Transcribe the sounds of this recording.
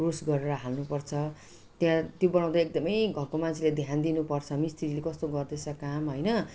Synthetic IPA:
rosɡʌɾeɾʌɦalnupʌrt͡sʰʌ | t̪jãt̪jobʌnaw̃d̪aek̚d̪ʌmʌjɡʱʌrkomant͡sʰiled̪ʱjand̪inupʌrt͡sʰʌmist̪ʰiɾilekʌst̪oɡʌrd̪et͡sʰʌkamɦʌjnʌ

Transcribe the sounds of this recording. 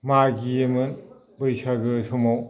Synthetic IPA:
maɡijemɯn | bɯjsaɡɯsɔmaw

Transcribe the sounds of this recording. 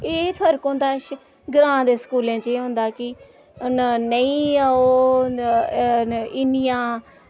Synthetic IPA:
eːpʰəɾkõnd̪aːʃ | ɡɾãːd̪eːskuːlẽːt͡ʃeːɦʊ̃nd̪aːkɪ | nəĩːaoː | ɪnijãː

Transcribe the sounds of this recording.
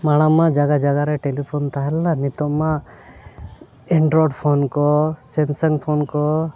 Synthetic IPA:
maɽ̃amad͡ʒaɡad͡ʒaɡaɾɛʈelipʰɔnt̪aɦɛlanit̪ɔmːa | ɛɳɖɾɔɖpʰonkɔsɛnsəŋpʰonkɔ

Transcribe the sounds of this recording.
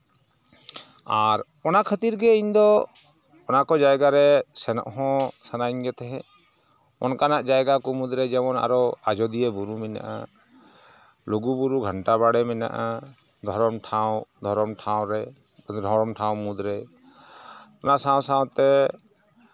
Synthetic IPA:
aɾ | ɔnakʰət̪iɾɡɛiɲd̪ɔ | ɔnakɔd͡ʒajɡaɾɛsɛnɔ̰ʔɦɔ̃sanaiɲɡɛt̪ɛɦɛ̃ | ɔ̰nkanaʔd͡ʒajɡakɔmud̪ɾɛd͡ʒɛmɔna̰ɾɔad͡ʒɔd̪ijebuɾumɛna̰ʔa̰ | luɡubuɾuɡʱəɳʈaβaɽɛmɛna̰ʔa | d̪ʱɔɾɔmʈʰawd̪ʱɔɾɔmʈʰawɾɛ | d̪ʱɔɾɔmʈʰãwmud̪ɾɛ | ɔnaʔsãwsãwt̪ɛ

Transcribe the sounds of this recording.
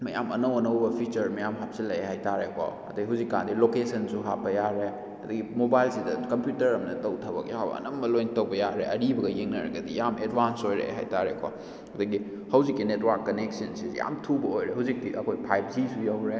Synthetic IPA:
mɐja̰mɐnɐwɐnɐwbɐpʰit͡ʃɐɾmɐjamɦap̚silːɐeɦajtaɾekʰo̰ɐ̰dɐiɦuzikːa̰ndilokesɐnsuɦapːɐjaɾe | ɐd̪ɐɡimobajlsidɐkɐmpjutɐɾɐmnɐtɐwtʰɐbɐ̰kjawbɐ̰ɐ̰nɐmːɐlojntɐwbɐjaɾeʔɐɾibɐɡɐjeŋnɐɾɐ̰ɡɐdijamedbansojɾḛɦa̰jtaɾekʰo̰ | ɐdɐɡi | hɐwzikːinetwɐɾkːɐneksɐnsizḭja̰mtʰubɐojɾeɦuzik̚tiʔɐ̰kʰojpʰajp̚zisujawɾe

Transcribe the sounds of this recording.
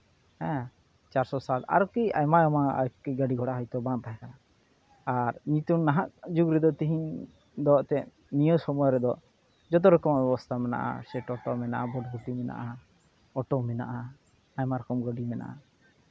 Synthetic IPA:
hɛ̃ | t͡ʃaɾsɔsala̰ɾɔkia̰jmajɔmaa̰jkiɡəɖiɡʱɔɽaɦɔjt̪ɔbãnp̪aɦɛkanaː | ɾɲit̪unːaɦaʔd͡ʒuɡɾid̪ɔt̪iɦiɲ | d̪ɔt̪ɛʔ | nijɔsɔmɔjɔɾɛd̪ɔ | d͡ʒɔt̪̬ɔɾɔkɔmabɛbɔst̪ʰamɛna̰ʔa̰sɛʈɔʈɔmɛna̰ʔabɔɖɡut̪imɛna̰ʔa | ɔʈɔmɛna̰ʔaː | jmaɾɔkɔmɡəɖimɛna̰ʔa̰

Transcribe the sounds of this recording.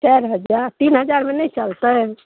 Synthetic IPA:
t͡ʃɛɾɦəd͡ʒaɾt̪inɦəd͡ʒaɾmenɛit͡ʃəlt̪ə

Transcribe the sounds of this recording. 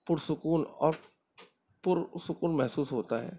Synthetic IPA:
pʊɾsʊkuːnɔːɾ | pʊɾsʊkuːnmɛɦsuːsɦoːt̪aɦɛ̰ː

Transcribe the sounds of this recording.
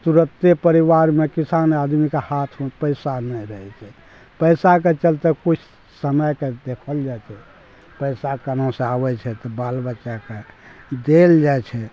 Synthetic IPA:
t̪uɾət̪epəɾiʋaɾmekisanad̪mikehat̪ʰopəɪsanɛɾəɦɛt͡ʃʰɛ | pəɪsaket͡ʃəlt̪ekut͡ʃʰ | səməjked̪ekʰəld͡ʒat͡ʃʰɛ | pəɪsakənõsẽabɛt͡ʃʰɛt̪ɔbalbətːʃaked̪eld͡ʒajt͡ʃʰɛ

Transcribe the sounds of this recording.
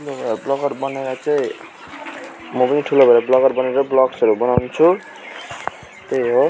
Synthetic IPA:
ulobʱʌablʌɡʌrbʌneɾʌt͡sʌĩ | mʌpʌniʈʰulobʱʌɾablʌɡʌrbʌneɾʌblʌksʌɾubʌnawnt͡sʰu | t̪ejɦo

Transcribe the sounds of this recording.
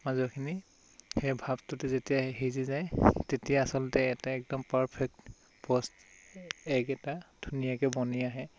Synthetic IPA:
mazɔkʰini | xɛjbʱabtʊtɛzetijaɦizizajtetijaːsɔlɔtɛɛtaɛk̚dɔmpaɹpʰɛk̚t | pɔst | ɛkɛtad̥ʱunijakɛbɔniaɦɛ

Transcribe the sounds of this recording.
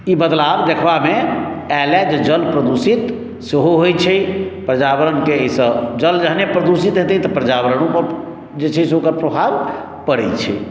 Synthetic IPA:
ibəd̪labd̪ekʰbame | ɛlɛd͡ʒed͡ʒəlpɾəd̪usit̪ | seɦoɦojt͡ʃʰɛpɾəd͡ʒabəɾənkeesə̃d͡ʒəld͡ʒəɦnepɾəd̪usit̪ɦet̪it̪ɔpɾəd͡ʒabəɾəñupəɾ | d͡ʒet͡ʃʰɛseokəɾpɾəbʱaɾ | pəɾɛ̰t͡ʃʰɛ̰

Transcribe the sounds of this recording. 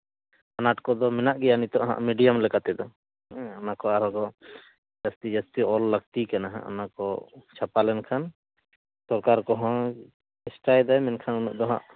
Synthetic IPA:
anaʈkɔd̪ɔmɛnaʔɡɛjanit̪ɔʔɦã̰ʔmiɖijamlɛkat̪ɛd̪ɔ | anakɔaɾɔɡɔ | d͡ʒast̪id͡ʒast̪iɔlːəɡt̪ikanaɦã̰ʔa̰nakɔt͡ʃʰapalɛnkʰan | sɔɾkaɾkɔɦã | ɛsʈajd̪ajmɛnkʰanunṵʔd̪ɔɦã̰ʔ

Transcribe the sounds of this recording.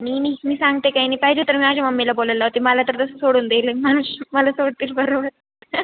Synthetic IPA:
ninimiːsaŋɡ̚t̪ekainipaɦid͡ʑet̪əɾmiad͡ʑamɐmːilaboləlːaɦot̪imalat̪əɾt̪əsə̥soɽuːnd̪elemanuʃməlasoɽt̪iːlbəɾoʋət̪

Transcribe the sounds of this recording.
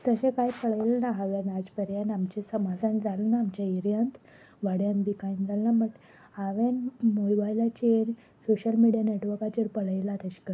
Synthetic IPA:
t̪əɕẽkajpəɭəjlnaɦaʋenad͡zpəɾjanamt͡ɕesəmad͡zʱãnd͡zalnaːmt͡ɕaiɾjənt̪ | ʋaɽjanb̪ikaind͡zalnaməʈ | aʋenmojbajlat͡ɕeɾ | soɕəlmiɽijaneʈʋəɾkat͡ɕeɾpəɭəjlat̪əɕi̥kəɾ

